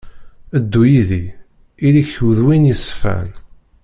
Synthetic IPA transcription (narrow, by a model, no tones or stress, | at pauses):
əd̪ːujiði | iliçwəðwinjisfæ̰n